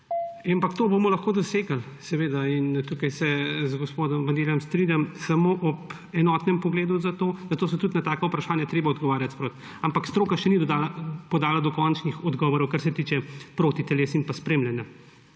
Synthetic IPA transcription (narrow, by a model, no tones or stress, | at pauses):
ampakt̪oːbomɔlɐxkoːd̪ɔseːɡal | sɛʋeːd̪aint̪ukajsɛzɡospoːd̪ɔmʋanɡ̪elʲjɔmst̪ɾinʲjamsamoːʔɔp | ɛnɔːt̪nɛmpɔɡleːd̪uzat̪oːzɐt̪oːs̬ɔt̪ut̪nat̪aːkɐupɾaʃaːnjat̪ɾeːbaɔd̪ɡɔʋaːɾjat̪spɾot̪ | ampakst̪ɾoːkaʃɛnid̪d̪alpɔd̪aːlad̪ɔkɔnt͡ʃnixɔd̪ɡɔːʋɔɾɔwkaɾsɛt̪iːt͡ʃɛpɾoːt̪it̪ɛleːsinpaspɾeːmljanja